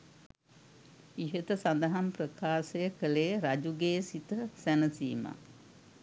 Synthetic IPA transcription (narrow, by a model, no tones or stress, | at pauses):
iɦet̪əsand̪ɐɦamprəkaːsəjəkəlejɾad͡ʒuɡeːsit̪əsænəsḭːma̰